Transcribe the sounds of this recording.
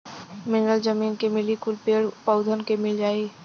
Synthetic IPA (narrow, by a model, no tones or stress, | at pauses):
mɪnɾəld͡ʒəmiːnkemɪlikʊlpeːɽpəʊd̪ʱənkemɪld͡ʒaːiː